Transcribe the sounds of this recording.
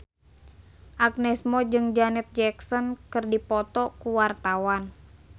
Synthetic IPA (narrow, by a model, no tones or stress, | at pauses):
ʔak̚nɛsmɔd͡ʒɨŋd͡ʒanɛt̪̚d͡ʒɛksɔnkɨrdipɔt̪ɔkuwart̪awan